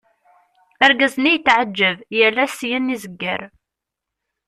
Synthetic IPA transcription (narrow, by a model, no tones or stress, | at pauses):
æɾɡæznijət̪ːʕad͡ʒːəvjəlːæsjænːizəɡːə̰ɾ